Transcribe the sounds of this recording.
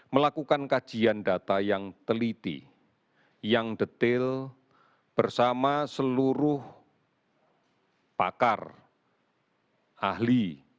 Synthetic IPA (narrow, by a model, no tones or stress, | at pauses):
məlakukankḁʒ̥iandat̪ajaŋt̪əlit̪ḭ | jaŋdət̪ɪl | b̥ərsamasəluɾʊh | pa̰kar | ʔahli